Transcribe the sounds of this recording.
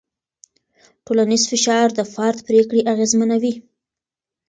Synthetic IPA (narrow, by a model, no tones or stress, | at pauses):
ʈolanizfɪʃɑɾd̪əfɑɾt̪pɾekɽeʔaɣezmənawi